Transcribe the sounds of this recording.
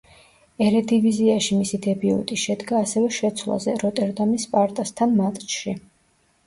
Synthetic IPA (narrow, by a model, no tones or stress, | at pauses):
ɛɾɛd̪iviziaʃimisid̪ɛbiṵt̪ʼiʃɛd̪ɡaːsɛvɛʃɛt̪sʰwlˠa̰zɛɾɔt̪ʼɛɾd̪amispʼaɾt̪ʼast̪ʰanmat̪ʼt͡ʃʃi